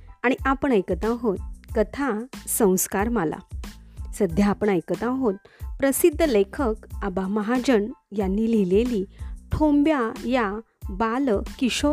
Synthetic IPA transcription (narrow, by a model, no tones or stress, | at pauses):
aɽ̃iʔapəɳ̃ajkət̪ãɦot̪̚kət̪ʰasə̃w̃skaɾmala̰səd̪ʱjaːpəɳ̃ajkət̪ãɦot̪̚pɾəsid̪ʱːlekʰəkabaməɦad͡ʑəɳjanːilileliʈʰombjaja | balkiɕo